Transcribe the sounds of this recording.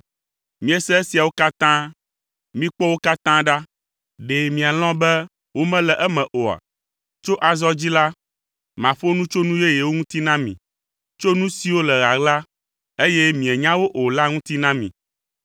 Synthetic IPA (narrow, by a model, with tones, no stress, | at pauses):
mĩ˨ɛ˦sɛ˦e˦si˨a˨wo˦ka˦t̪ã˦ | mĩ˦k͡pɔ˦wo˦ka˦t̪ã˦ɖa˦ | ɖe˨mĩ˨a˨l̃ɔ̃˦bɛ˦ | wo˦mɛ̃˦lɛ˨ʔɛ˦mɛ̃˨ʔo˨a̰˨ | t͡ʃo˦ʔa˨zɔ˦d͡ʑi˦la˦ | mã˨ɸo˦nũ˦t͡ʃo˦nũ˦je˦je˨wo˦ŋũ˦t̪i˦nã˦mḭ̃˨ | t͡ʃo˦nũ˦si˨˦wo˦lɛ˨ɣa˨ɡla˦ | e˦jɛ˦mĩ˨ɛ˨ɲã˦wo˦ʔo˨la˦ŋũ˦t̪i˦nã˦mĩ˨